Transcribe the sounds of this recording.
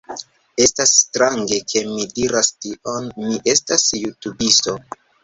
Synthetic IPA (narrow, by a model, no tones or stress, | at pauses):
e̞stasːtɾaŋɡe̞kʰe̞midiɾastiʔo̞nmiʔe̞stasjutubisto̞